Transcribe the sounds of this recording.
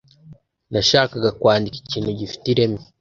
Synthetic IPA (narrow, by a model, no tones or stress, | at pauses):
naʃaːkaɡakwaːndiki̥ciːnhuɟifi̥tiɾemi